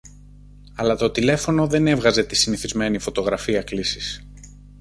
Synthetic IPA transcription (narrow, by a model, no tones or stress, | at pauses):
ɐlɐt̪o̞t̪ile̞fo̞no̞ðe̞ne̞vɣɐze̞t̪isiniθizme̞nifo̞t̪o̞ɣɾɐfiɐklisis